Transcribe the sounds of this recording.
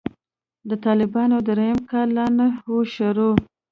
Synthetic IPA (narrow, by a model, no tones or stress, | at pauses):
d̪ət̪ɑlɪbɑnod̪ɾajəmkɑlːɑnahoʃaɾo